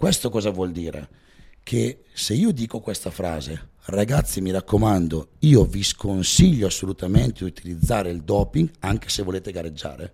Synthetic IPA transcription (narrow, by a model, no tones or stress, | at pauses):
kwest̪okɔːzavwɔld̪iːɾʔḛ | kʰe | seiːod̪iːkokwest̪afɾa̰ːze | raɡat̪sːimiɾakːomand̪oiːoviskonsiʎːoasːolut̪ament̪ed̪iut̪ʰilid̪zːaːɾeild̪ɔːpiŋɡaŋk̟e̥sevoleːt̪eɡaɾed͡ʒːa̰ːɾḛ